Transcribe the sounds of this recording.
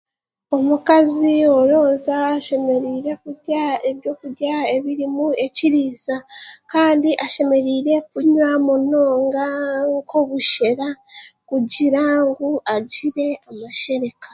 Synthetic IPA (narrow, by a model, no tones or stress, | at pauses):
o̞mukazio̞ɾo̞ːnzaːʃe̞me̞ɾiːɾe̞kuɟae̞βjo̞kujae̞βiɾimue̞ciɾiːzakaːndiʔaʃe̞me̞ɾiːɾe̞kuɲwamuno̞ːŋɡaŋkʰoβuʃe̞ɾakuɟiɾaŋɡuʔaɟiɾe̞amaʃe̞ɾe̞kḁ